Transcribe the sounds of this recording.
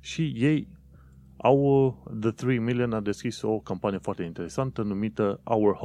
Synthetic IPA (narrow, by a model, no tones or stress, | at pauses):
ʃije̞j | awðəθɾimilijənad̪e̞skiso̞kompanije̞foart̪e̞int̪e̞ɾesant̪ənumit̪əʔawərh